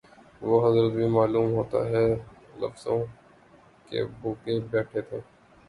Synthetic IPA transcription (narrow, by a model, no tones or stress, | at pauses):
ʋoɦɐzɾət̪̚bʱimaːluːmɦoːt̪a̰ɦɛ | lɐ̰fz̥õ̰ | kḛbʱuːkebɛːʈʰet̪ʰẽː